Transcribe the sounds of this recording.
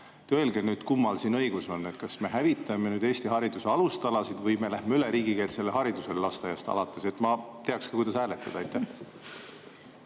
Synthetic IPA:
t̪elɡenyːd̪̥kumːɑlsiːnɤ̞jɡ̥usonːe̞t̪kɑsme̞ɦævit̪ːˑɑmenyːd̪e̞ːst̪iɦɑɾid̪useɑlust̪ɑlɑsid̪̥vɤjme̞læhmeyleɾiːɡike̞ːlse̞lːeɦɑɾid̪̥use̞llɑst̪ɑjɑst̪ɑ̰lɑt̪ːˑe̞se̞t̪mɑt̪e̞ɑkskɑkujd̪̥ɑsæːlet̪ːˑɑd̪ɑɑjt̪ːˑæh

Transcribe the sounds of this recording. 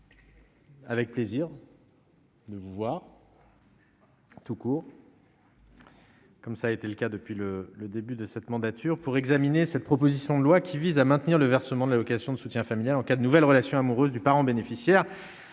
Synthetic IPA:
avɛk̚pleziʁ | d̪əvuvwaʁ | t̪ukuːʁ | kɔmsaːet̪eləkad̪əpɥilələd̪ebyd̪əsɛt̪mɑ̃d̪at̪yʁpuʁɛɡzaminesɛt̪̚pχɔpozisjɔ̃d̪əlwakʲʰivizamɛ̃t̪niʁləvɛʁsəmɑ̃d̪lavɔkasjɔ̃d̪əsut̪jɛ̃familjalɑ̃kad̪ənuvɛlʁəlasjɔ̃amuʁøzd̪ypaʁɑ̃benefisjɛːʁ

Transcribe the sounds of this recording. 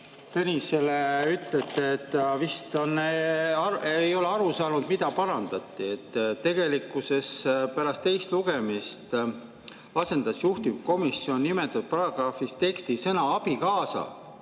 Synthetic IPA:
t̪enʲise̞leyt̪let̪ːˑeːt̪ːˑvist̪onːeɑejo̞leɑɾusɑːnud̪mid̪̥ɑpɑɾɑnd̪̥ɑt̪ːˑie̞t̪ːt̪ːe̞ɡ̥e̞likːˑuse̞spæɾɑst̪ːe̞jst̪luɡ̥e̞mist̪ | ɑse̞nd̪̥ɑsjuht̪imko̞misːio̞nːime̞t̪ːˑud̪̥̚pɑɾɑɡ̥ɾɑːfist̪e̞kst̪isɤnɑɑb̥ikɑːsɑ̰

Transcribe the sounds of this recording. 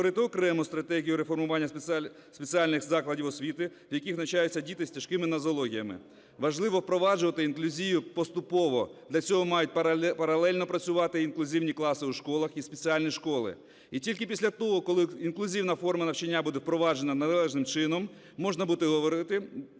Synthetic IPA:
ɾɪt̪ɪɔkɾɛmʊst̪ɾɐt̪ɛɦʲijʊɾefɔrmʊʋɑnʲːɐ | sʲpet͡sʲialʲnɪxzɑklˠɐdʲiwɔsʲʋʲit̪ɪʋjɐkʲixnɐt͡ʃajʊt͡sʲːɐdʲit̪ɪsʲtʲɐʃkɪmɪnɐzɔlˠɔɦʲijɐmɪ̰ | ʋɐʒlˠɪʋɔwpɾɔʋɑd͡ʒʊʋɐt̪ɪinklʲʊzʲijʊpɔst̪ʊpɔʋɔd̪lʲɐt͡sʲɔɦɔmɑjʊt̚ʲpɐpɐɾɐlˠɛlʲnɔpɾɐt͡sʲʊʋɑt̪ɪinklʲʊzʲiwnʲiklˠɑsɪuʃkɔlˠɐxispet͡sʲialʲnʲiʃkɔlˠɪ̰ | itʲilʲkɪpʲisʲlʲɐt̪ɔɦɔkɔlˠɪinklʲˠʊzʲiwnɐfɔrmɐnɐwt͡ʃɪnʲːabud̪ewpɾɔʋɑd͡ʒenɐnɐlˠɛʒnɪmt͡ʃɪnɔmː | ɔʒnɐbut̪ɪɦɔʋɔɾɪt̪ɪ

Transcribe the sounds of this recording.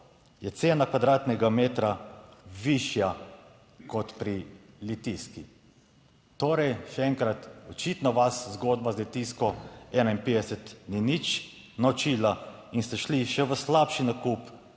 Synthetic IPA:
jɛt̪seːnakʋad̪ɾaːt̪nɛɡameːt̪ɾaʋiʃja | kɔt̪pɾi | lit̪iski | t̪oːɾɛjʃɛɛŋkɾat̪ɔt͡ʃit̪nɔʋaszɡoːd̪bazlit̪iskɔɛnainpeːd̪ɛsɛt̪ninit͡ʃ | nɔt͡ʃila | inst̪ɛʃliʃɛʋəslapʃinakup

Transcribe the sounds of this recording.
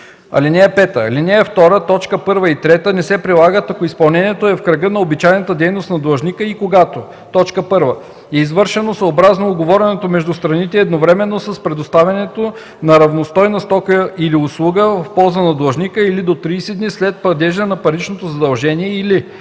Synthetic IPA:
ɐ̰linɛɛpɛt̪əlinʲɛɛft̪ɔɾət̪ɔt͡ʃkəpɤɾvəit̪ɾɛt̪ənɛsɛpɾilˠaɡət̪ɐkoispɐlˠnɛniɛt̪oɛfkɾɐɡənɐobit͡ʃajnət̪əd̪ɛjnost̪nɐd̪lˠɐʒnʲikəikoɡat̪o | t̪ɔt͡ʃkəpɤɾvə | ɛizvɤɾʃɛnosɐobɾaznoːɡovɔɾɛnɛt̪omɛʒd̪ust̪ɾɐnit̪ɛɛd̪novɾɛmɛnːosɐspɾɛd̪ost̪avʲɐnɛt̪o | nɐɾɐvnost̪ɔjnɐst̪ɔkijiliʊslˠuɡəvvfpɔlˠzənɐd̪lˠɐʒnikəilid̪ot̪ɾiːsɛd̪nislɛt̪̚plˠɐd̪ɛʒənɐpɐɾit͡ʃnot̪ozɐd̪ɐlˠʒɛniɛili

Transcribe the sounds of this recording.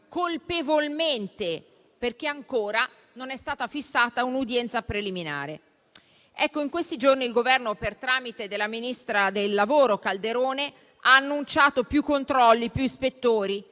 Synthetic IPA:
kolpevolment̪e | perk̟eaŋkoːɾa | nonɛst̪aːt̪afisːaːt̪aunud̪jɛnt̪sapɾelimina̰ːɾe | ɛkːoiŋkwest̪id͡ʒorniːlɡovɛrnopert̪ɾaːmit̪ed̪elːaminist̪ɾad̪elːavoːɾokald̪eɾoːne | aːnːunt͡ʃaːt̪opjukːont̪ɾɔlːipjuispet̪ːoːɾi

